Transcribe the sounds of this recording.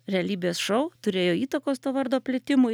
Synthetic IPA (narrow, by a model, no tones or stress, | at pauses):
ɾʲɛɐlʲiːbʲeːsʃɔʊt̪ʊɾʲeːjoːiːt̪ɐkoːst̪oːʋɐɾd̪oːpʲlʲɪt̪ʲɪmʊ